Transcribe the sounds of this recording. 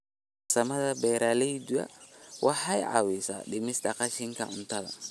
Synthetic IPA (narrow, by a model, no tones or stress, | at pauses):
sɐmɐðɐbɛːɾalɛjd̪uɐ̰wʔɑħɑjʕɑ̰wisa̰ɗɪmɪsd̪ɐqɑʃɪŋkʰɐʔʊnt̪ɐðɐ̰